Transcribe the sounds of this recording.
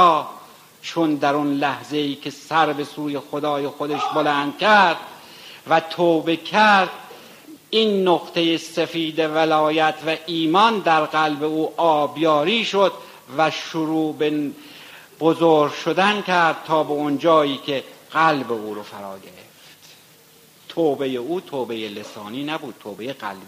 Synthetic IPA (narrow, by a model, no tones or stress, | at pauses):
t͡ʃʰond̪æɾunlæhze̞iːkʲʰesæɾbe̞suːje̞xod̪ɒːjexod̪eʃbolænd̪̥̚kʰæɾd̪̥ | væt̪ʰoːbe̞kʰæɾd̪̥ | inːoɣt̪ʰe̞jesefiːd̪evælɒːjæt̪ʰvæʔiːmɒnd̪æɾɣælbe̞uːʔɒːbjɒːɾiːʃod̪̥ | væʃoɾuːbe | b̥ozoːɾɡʃod̪ænkʰæɾd̪̥̚t̪ʰɒːbeond͡ʒɒːiːkʰe̞ɣ̥ælbeuːɾofæɾɒ̰ːɡeɾeft̪ | t̪ʰoːbe̞jeuːt̪ʰoːbejelesɒːniːnæbuːd̪̥̚t̪ʰoːbejeɣæ̰lbi